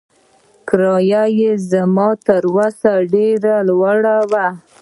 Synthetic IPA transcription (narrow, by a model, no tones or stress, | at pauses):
kɾɑjajezamɑt̪əɾwasaɖeɾalwaɽawa